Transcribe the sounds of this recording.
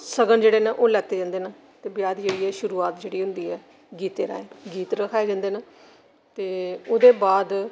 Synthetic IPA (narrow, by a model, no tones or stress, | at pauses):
səɡənd͡ʒeːɽeːnẽːʔoːlɛːt̪ːeːd͡ʒãːnd̪eːnaː | t̪eːbɪjaːd̪id͡ʒoiːɛːʃʊɾuːaːt̪d͡ʒeːɽiːɦʊnd̪iːɛː | ɡiːt̪eːɾa̰ːẽːɡiːt̪ɾəkʰaːeːd͡ʒãːnd̪eːnaː | t̪eːoːd̪eːbaːd̪